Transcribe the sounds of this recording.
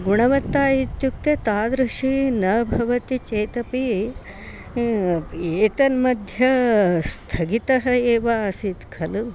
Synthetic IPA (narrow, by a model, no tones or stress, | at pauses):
ɡuɳɐʋɐt̪ːaːjit̪juk̚t̪et̪aːd̪ɾɐʂinɐbʱɐʋɐt̪it͡ʃeːt̪ɐpi | eːt̪ɐnmɐd̪ʱjɐst̪ʰɐɡit̪ɐɦɐeːʋaːsit̪kʰɐlu